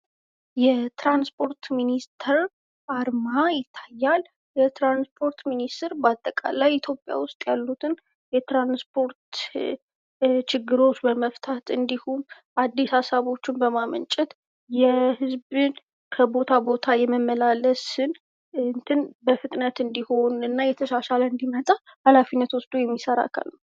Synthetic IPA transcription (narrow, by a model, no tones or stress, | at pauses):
jɛt̪ɾanspʰo̞ɾt̪minist̪ʰəɾ | ʔaɾmajɪt̪ʰːajːal | jɛt̪ɾanspʰo̞ɾt̪minist̪ʰɛɾbat̪ʼːəkʼa̰lajit̪ʰjo̞pʼːja̰wʊst̪ʼjalːut̪ʰɨn | jɛt̪ɾanspʰo̞ɾt̪ | t͡ʃʰɪɡːɨɾo̞t͡ʃːbəməft̪ʰat̪ʰɨnd̪ihun | ʔad̪ːishasaβo̞t͡ʃːɪnbəmamə̰nt͡ʃʼɛt̪ | jɛhɨzbɨn | kʰəbo̞t̪ʰabo̞t̪ʰajɛmːəmːəlaləsɨn | nt̪ʰɨnbəfɨt̪ʼnət̪ɨnd̪iho̞nɨnːajɛt̪ʰəʃaʃaləɨnd̪imət̪ʼahalafinːət̪wɔsd̪ujɛmːisəɾa̰kʰa̰lnə